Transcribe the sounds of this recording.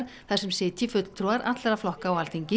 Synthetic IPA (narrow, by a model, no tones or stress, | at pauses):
ɾ̥ | θɛsʏmsɪːt̪ʰjɪfʏt̪l̥t̪ʰɾuaɾʔa̰t̪lɛɾaflɔhkaɔɣalt̪iɲcɪ